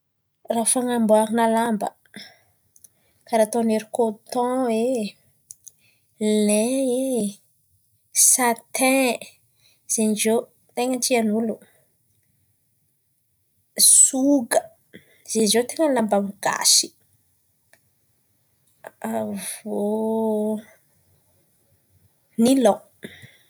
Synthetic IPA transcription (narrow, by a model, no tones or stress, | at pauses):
rafaŋambuaɾinalambə̰ | kaɾat̪ɔ̃neɾikot̪ɔ̃we | lɛ̃e | sat̪ɛ̃ | z̥enzo | t̪eŋənʈ͡ʂianulu | suɡə | z̥enizet̪eŋənlambamɡa̰si̥ | avo | nilɔ̃